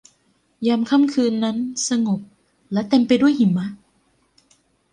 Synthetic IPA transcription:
jaː˧mkʰa˥˩mkʰɯː˧nːa˦˥nsa˧ŋo˨˩p̚ | lɛ˦˥t̪e˧mpa˧jdu˥˩əjhi˨˩˦mma˦˥ʔ

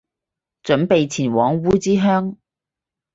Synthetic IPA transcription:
t͡ʃɵ˨˧˥npe˨jt͡sʰiː˨˩nwɔː˨˥ŋwuː˥t͡siː˥ɦœː˥ŋ

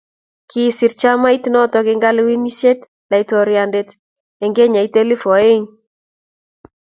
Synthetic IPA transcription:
kɪ˦sɪ˨ɾt͡ʃa˦ma˦i˦tnɔ˦tɔ˨kɪ˨˦ŋɡa˦lwi˦ni˦se˦t | la˨i˨tɔ˨ɾja˨nde˦t | ɛ˨ŋɡe˦ɲa˨i˦te˦li˦fɔ˨e˦ŋ

